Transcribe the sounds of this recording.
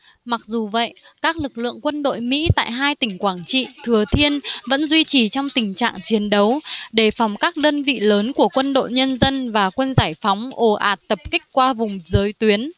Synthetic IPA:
ma˨˩k̚zu˨˩və̰˧˨j | kaː˦˥k̚lɨ˨˩k̚lɨ̰˧˨əŋkwə˧nɗo̰˧˨jmḭ˧˥t̪a̰ː˧˨jɦaː˧jt̪ï˧˩ŋ̟kwaː˧˩nt͡ɕḭ˧˨t̪ʰɨ˨˩ət̪ʰi˧ənvə̰˧˥nzwi˧t͡ɕi˨˩t͡ɕɔ˧wŋ͡mt̪ï˨˩ŋ̟t͡ɕa̰ː˧˨ŋt͡ɕi˨˦ənɗə˨˦wɗe˧˩fɔ˨˦wŋ͡mkaː˦˥k̚ɗəː˧nvḭ˧˨ləː˨˦nku˧˩əkwə˧nɗo̰˧˨jɲə˧nzə˧nvaː˨˩kwe˧nzaː˧˩jfɔ˨˦wŋ͡mʔo˨˩ʔa̰ː˨˩t̚t̪ə˨˩p̚kï˦˥k̟̚kwaː˧vʊ˨˩ŋ͡mzəː˨˦jt̪wi˨˦ən

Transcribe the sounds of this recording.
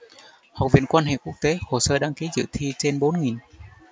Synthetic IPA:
ha˨˩wk͡p̚vḭ˧˨ənkwaː˧nɦḛ˧˨ku˦˥ək̚t̪e˨˦ho˨˩səː˧ɗaː˧ŋki˨˦zɨ̰˧˨t̪ʰi˧t͡ɕe˧nɓo˨˦nŋi˨˩n

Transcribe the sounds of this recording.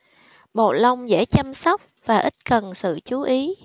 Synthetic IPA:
mo̰˨˩lə˧wŋ͡mzḛ˧˥˩t͡ɕa˧msɔ˦˥wk͡p̚vaː˨˩ʔi˦˥t̚kə˨˩nsɨ̰˧˨t͡ɕu˨˦ʔi˨˦

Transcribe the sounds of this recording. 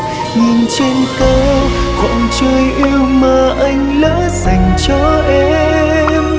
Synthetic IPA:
ɲi˨˩nt͡ɕe˧nkə˧kɔ̰˧˨nt͡ɕəː˧jʔɛ˧wməː˨˩ʔa˧jŋ̟lə̰ː˧˥za˨˩jŋ̟t͡ɕɔ˧ʔɛ˧m

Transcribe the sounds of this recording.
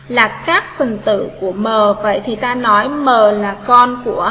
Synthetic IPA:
laː˨˩kaː˦˥k̚fə˨˩nt̪ɨ̰˧˨ku˧˩əməː˨˩və̰˧˨jt̪ʰi˨˩t̪aː˧nɔ˨˦jməː˨˩laː˨˩kɔ˧nku˧˩ə

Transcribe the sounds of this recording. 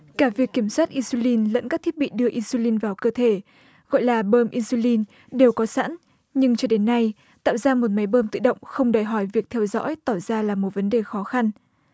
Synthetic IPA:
kaː˧˩vi˨˩əkːi˧˩əmswaː˦˥t̚ʔi˧nsu˧li˧nlə̰˧˥nkaː˦˥k̪̚ʰi˦˥t̚ɓḭ˧˨ɗɨ˧əʔi˧nsu˧li˧nvaː˨˩wkəː˧t̪ʰe˧˩ | ɣɔ̰˧˨jlaː˨˩ɓəː˧mʔi˧su˧li˧n | ɗe˨˩wkɔ˨˦sa̰ː˧˥n | ɲɨ˧ŋt͡ɕɔ˧ɗe˨˦nːa˧j | t̪a̰ː˧˨wzaː˧mo˨˩t̚ma˨˦jɓəː˧mt̪ɨ̰˧˨ɗə̰˧˨wŋ͡mxə˧wŋ͡mɗo˨˩jɦɔ˧˩jvi˨˩ək̚t̪ʰɛ˧wzɔ̰˧˥jt̪ɔ˧˩zaː˧laː˨˩mo˨˩t̚və˨˦nɗe˨˩xɔ˨˦xa˧n

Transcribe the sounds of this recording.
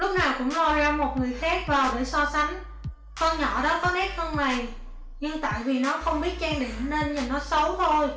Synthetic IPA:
lʊ˦˥k͡p̚naː˨˩wkʊ̰˧˥ŋ͡mzo˧˩jzaː˧mo˨˩t̚ŋɨ˨˩əjxaː˦˥k̚vaː˨˩wɗe˧˩sɔ˧sa˨˦ŋ̟ | kɔ˧nɲɔ̰˧˨ɗɔ˨˦kɔ˨˦ʔɛ˦˥p̚xə˧wŋ͡mna˨˩j | ɲɨ˧ŋt̪a̰ː˧˨jvi˨˩nɔ˨˦xə˧wŋ͡mɓi˦˥ət̚t͡ɕɛː˧ŋɗḭ˧˨əmne˧nɲə˨˩nːɔ˨˦sə˨˦wt̪ʰo˧j

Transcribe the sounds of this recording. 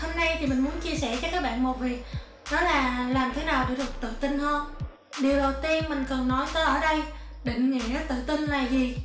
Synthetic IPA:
ho˧mna˧jt̪ʰi˨˩mï˨˩ŋ̟mu˨˦ənt͡ɕi˧əsɛ˧˩t͡ɕɔ˧kaː˦˥k̚ɓa̰ː˧˨nmo˨˩t̚vi˨˩ək̚ | ɗɔ˨˦laː˨˩laː˨˩mt̪ʰe˨˦naː˨˩wɗ̰t̪ʰɨ˨˩k̚t̪ɨ̰˧˨t̪i˧ŋhəː˧n | ɗi˨˩əwɗə˨˩wt̪i˧ənmï˨˩ŋ̟kə˨˩nːɔ˨˦jt̪əː˨˦jʔəː˧˩ɗə˧jɗḭ̈˧˨ŋ̟ŋḭ˧˩˨t̪ɨ̰˧˨t̪ï˧nlaː˨˩jzi˨˩

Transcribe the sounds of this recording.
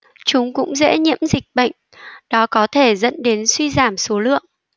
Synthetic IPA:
t͡ɕʊ˨˦ŋ͡mkʊ̰˧˥ŋ͡mzḛ˧˥ɲḭ˧˥əmzï˨˩k̚ɓə̰˧˨jŋ̟ | ɗɔ˨˦kɔ˨˦t̪ʰe˧˩zə̰˧˥nɗe˨˦nswi˧zaː˧˩mso˨˦lɨ̰˧˨əŋ

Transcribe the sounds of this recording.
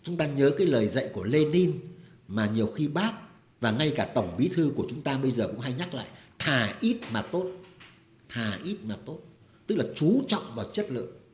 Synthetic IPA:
t͡ɕʊ˨˦ŋ͡mt̪aː˧ɲəː˨˦kaː˨˦jləː˨˩jzə̰˧˨jku˧˩əle˧ni˧n | maː˨˩ɲi˨˩əwxi˧ɓaː˦˥k̚ | vaː˨˩ŋa˧jkaː˧˩t̪ə˧˩wŋ͡mɓi˨˦t̪ʰɨ˧ku˧˩ət͡ɕʊ˨˦ŋ͡mt̪aː˧ɓə˧jzəː˨˩kʊ̰˧˥ŋ͡mɦa˧jɲa˦˥k̚la̰ː˧˨jt̪ʰaː˨˧˩ʔi˦˥t̚maː˨˩t̪o˦˥t̚ | t̪ʰaː˨˩ʔi˦˥t̚maː˨˩t̪o˦˥t̚ | t̪ɨ˦˥k̚laː˨˩t͡ɕu˨˦t͡ɕɔ̰˧˨wŋ͡mvaː˨˩wt͡ɕə˦˥t̚lɨ̰˧˨

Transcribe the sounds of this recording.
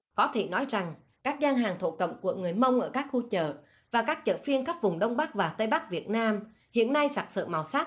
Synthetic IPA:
kɔ˨˦t̪ʰe˧˩nɔ˨˦jza˨˩ŋ | kaː˦˥k̚zaː˧nɦaː˨˩ŋt̪ʰo̰˧˨kə̰˧˨wŋ͡mku˧˩əŋɨ˨˩əjmə˧wŋ͡mʔəː˧˩kaː˦˥k̚xu˧t͡ɕə̰ː˧˨ | vaː˨˩kaː˦˥k̚t͡ɕə̰ː˧˨˩fi˧ənxa˦˥p̚vʊ˨˩ŋ͡mɗə˧wŋ͡mɓaː˦˥k̚vaː˨˩t̪ə˧jɓa˦˥k̚vi˨˩ət̚naː˧m | hḭ˧˨ənːa˧jsaː˨˥t̚sɨ̰˧˨nma˨˩wsaː˦˥t̚

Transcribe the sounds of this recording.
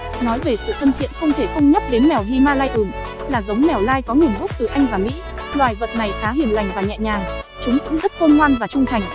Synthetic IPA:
nɔ˨˦jve˨˩sɨ̰˧˨t̪ʰə˧nt̪ʰḭ˧˨ənxə˧wŋ͡mt̪ʰe˧˩xə˧wŋ͡mɲa˦˥p̚ɗe˨˦nmɛ˨˩wvi˧maː˧laː˧jʔɨ˨˩m | laː˨˩zə˨˦wŋ͡mmɛ˨˩wlaː˧jkɔ˨˦ŋɨ˨˩ənvʊ˦˥k͡p̚t̪ɨ˨˩ʔa˧jŋ̟vaː˨˩mḭ˧˥ | lwaː˨˩jvə˨˩t̚na˨˩jxaː˨˦ɦi˨˩ənla˨˩jŋ̟vaː˨˩wɲɛ̰˧˨ɲaː˨˩ŋ | t͡ɕʊ˨˦ŋɨ̰˧˥ŋzə˦˥t̚xə˧nŋwaː˧nvaː˨˩t͡ɕʊ˧ŋ͡mt̪ʰa˨˩jŋ̟

